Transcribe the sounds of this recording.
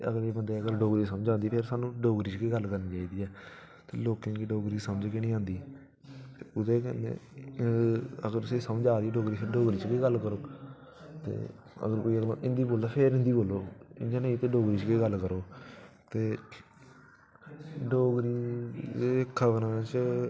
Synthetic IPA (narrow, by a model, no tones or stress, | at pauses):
əɡleːbənd̪eːəɡəɾɖoːɡɾiːsəməd͡ʒaːnd̪iːpʰɪɾsaːnũːɖoːɡɾiːt͡ʃkeːɡəlkəɾniːt͡ʃaːiːd̪iːɛː | t̪ḛːloːkẽːkiɖoːɡɾiːsəməd͡ʒkɪnĩːãːnd̪iː | t̪eːʊd̪eːkɛ̰nḛː | əɡəɾʊseːsəmd͡ʒaːd̪iːɖoːɡɾiːpʰɪɾɖoːɡɾiːt͡ʃkeːɡəlːkəɾoː | t̪ḛː | ə̰ɡəɾkoːiːəɡlo̰ʔɪnd̪iːboːlt̪aːpʰeɾɪ̃nd̪iːboːlːoːɪ̰nd͡ʒanəit̪eːɖoːɡɾiːt͡ʃkeːɡəlkəɾoː | t̪eː | ɖoːɡɾiːekʰəʋnãːt͡ʃ